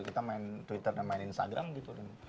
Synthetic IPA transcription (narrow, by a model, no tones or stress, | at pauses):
kit̪amaɪnt̪wit̪ərnanmaɪninst̪a̰ɡɾʔa̰mɡit̪udɛn